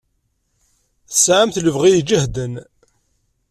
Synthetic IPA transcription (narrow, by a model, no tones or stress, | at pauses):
θəsʕamθləvʁijd͡ʒəhd̪ən